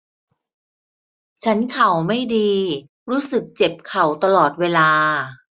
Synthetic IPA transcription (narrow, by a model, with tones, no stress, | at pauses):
t͡ɕʰa˦˥nkʰa˨˩wma˥˩jdiː˧ | ɾuː˦˥sɯ˨˩k̚t͡ɕe˨˩p̚kʰa˨˩wt̪a˧lɔː˨˩t̪̚weː˧laː˧